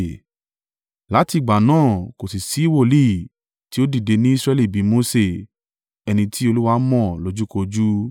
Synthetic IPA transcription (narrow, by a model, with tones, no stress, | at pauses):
la˨˦ti˧˨ɡ͡ba˨nãː˦˨ko˨si˨si˨˦i˦˨wo˦˨li˦˨ | ti˦o˦di˦˨de˧nĩ˦i˦sɾɛ˧li˦˨bi˨˦mo˨˦se˦˨ | ɛ˧nĩ˧tʰi˦o˧lu˦wa˧˦mɔ̃˦˨lo˨˦d͡ʒu˦ko˧d͡ʒu˦